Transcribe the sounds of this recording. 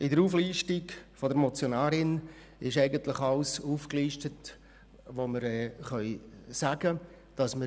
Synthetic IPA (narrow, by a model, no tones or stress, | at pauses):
ɪdəɾuːfliːʃtɪkfodəɾmɔt͡sjonaːɾɪn | ɪʃɛɪɡənt̪lɪχɑlsuːfkliːʃtət | ʋoməɾɛːχœʏsaɡə | d̥ɑsmə